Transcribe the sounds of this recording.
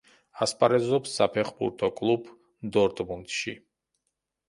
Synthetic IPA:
aspʼaɾɛzɔpsːapʰɛχbṵɾt̪ʰɔkʼlˠub | d̪ɔɾt̪ʼmunt̪ʼʃi

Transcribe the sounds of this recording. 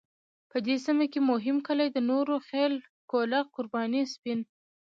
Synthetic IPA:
pəd̪esimakemʊɦɪmkəlajd̪ənoɾoxel | kolaqʊɾbɑnispɪn

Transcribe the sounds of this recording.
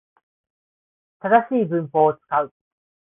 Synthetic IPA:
t̪ad̪aɕiːbɯ̟̃mpo̞ːot͡sɨ̥kaɯ̟

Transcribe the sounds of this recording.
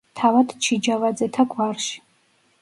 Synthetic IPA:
tʰavadʰt͡ʃʰid͡ʒavad͡zɛtʰaɡʷʰarʃ

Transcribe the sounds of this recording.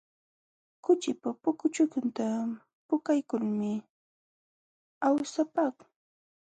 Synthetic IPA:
kʊt͡ʃɪpapʊkʊt͡ʃʊkʊnt̪a | pʊkajkʊlmɪ | awsapak

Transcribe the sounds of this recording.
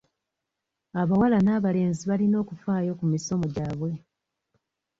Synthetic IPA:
aβawalanaːβale̞ːnziβalino̞ːkufaːjo̞kumiso̞moɟaːβwe̞

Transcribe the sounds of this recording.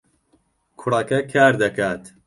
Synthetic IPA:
kʰʊrɐkɐkʰaːɾd̪ɐkaːt̪

